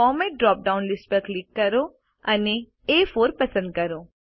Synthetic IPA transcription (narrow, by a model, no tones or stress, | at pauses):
ɔːmẽɖɾɔːp̚ɖaːʊ̃nlɪsʈpəɾklɪkːɐɾo | ɐne | eːfoːɾpɐsə̃nd̪̚kɐɾoː